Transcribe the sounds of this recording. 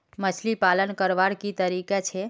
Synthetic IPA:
mət͡ʃʰlipalənkəɾʋaɽkit̪əɾikat͡ʃʰe

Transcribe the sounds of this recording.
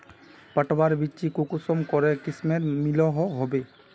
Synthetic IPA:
pəʈbaɾbit͡ʃikukusɔmkɔɾɛkismeɾmilɔɦɔɦɔbe

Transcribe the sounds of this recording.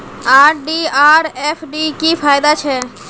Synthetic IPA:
aːɾɖiaːɾɛːpʰɖiːkiːpʰaːjd̪at͡ʃʰɛː

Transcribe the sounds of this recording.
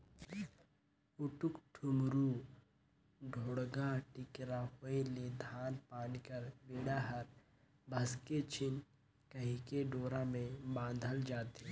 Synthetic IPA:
ʊʈʊkʈʰʊmɾu | ɖʱoːɽɡaʈɪkɾahoeled̪ʱaːnpaːnikəɾʋiɽaːɦəɾ | bʱɐsket͡ʃʰɪn | kəɦikeɖoːɾãmẽbãːnd̪ʱəld͡ʒaːt̪e

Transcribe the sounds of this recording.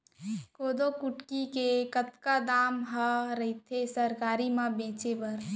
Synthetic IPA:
koːd̪okʊʈkikekət̪kad̪aːmɦəɾəɦit̪ʰesəɾkaːɾimãbẽːt͡ʃebəɾ

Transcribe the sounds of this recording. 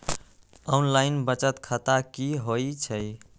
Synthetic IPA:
ɔnlaɪinbət͡ʃət̪kʰət̪akiɦot͡ʃʰəj

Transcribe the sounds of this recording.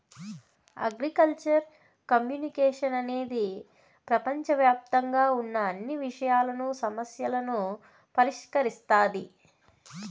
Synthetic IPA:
ɐ̰ɡɾikɐlt͡ʃɐɾ | kɐmjuːnikɛːʂɐnɐne̞ːd̪i | pɾɐpɐɲt͡ʃɐʋjaːp̚t̪ɐŋɡaːunːɐːnːiʋiʂɐjaːlɐnusɐmɐsjɐlɐnu | pɐɾiʂkɐɾist̪aːd̪i

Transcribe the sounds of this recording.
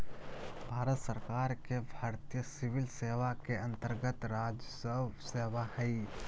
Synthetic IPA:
bʱaːɾət̪səɾkaːɾkebʱaːɾt̪ijəsɪʋɪlseːʋakeɐ̃nt̪əɾɡət̪ɾaːd͡ʒsəwseːʋahɛi

